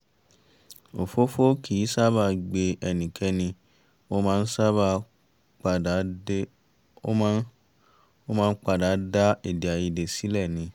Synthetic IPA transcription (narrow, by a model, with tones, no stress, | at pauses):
o˨fo˦fo˦kʰi˨˦sa˦ba˧ɡ͡be˧ʔɛ˧nĩ˨ke˨˧nĩ˧ | o˦mãː˦˧n̩˦sa˦ba˧ | k͡pa˧˨˦ | o˦mãː˦k͡pa˦˨da˨˦da˦e˨di˨a˨ji˧de˨si˨˦lɛ˦˨nĩ˨˦